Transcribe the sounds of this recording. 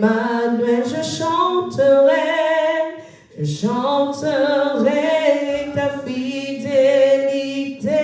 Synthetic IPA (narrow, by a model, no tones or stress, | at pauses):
manwɛʒəʃɑ̃t̪ʰəʁɛ | ʒəʃɑ̃t̪əʁɛt̪afid̪elit̪e